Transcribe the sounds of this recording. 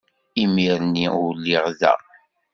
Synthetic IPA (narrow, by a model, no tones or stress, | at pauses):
imiɾniwlːiʁðæ̰